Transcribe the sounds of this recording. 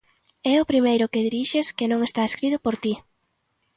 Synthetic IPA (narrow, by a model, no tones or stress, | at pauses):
ɛʊpɾimejɾʊkeðiɾiʃeskɪnõŋest̪aeskɾit̪ʊpoɾt̪i